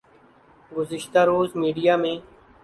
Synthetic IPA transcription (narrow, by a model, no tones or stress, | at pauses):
ɡʊzɪʃt̪aːɾoːzmiːɖijaːmẽː